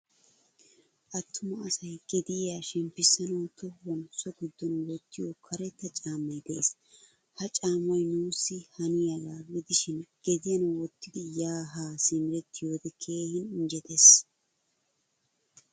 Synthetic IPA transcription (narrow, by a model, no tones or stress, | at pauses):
ʔɐt̪ʰːʊmɐɐsɐjɡ̥ɛd̪ɪjaːʃɛmpːɪsːɐnɔwt̪ːɔwɔnsɔɡɪd̪ːɔnwɔt̪ːɪjɔkʰɐɾɛt̪ːɐt͡ʃʼaːmːɐjd̪ɛes | hɐt͡ʃʼaːmɔjnuːsːɪhɐnɪjɐɡaːɡɪd̪ɪʃɪnɡ̥ɛd̪ɪjɐnwɔt̪ʰːɪd̪ɪjaːɦaːsɪmɪɾɛt̪ʰːɪjod̪ɛkʰeːhɪnɪnd͡ʒɛt̪es